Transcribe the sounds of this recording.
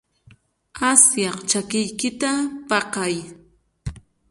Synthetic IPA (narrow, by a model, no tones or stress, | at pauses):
asjɑqt͡ʃakɪjkɪt̪apɑqɑj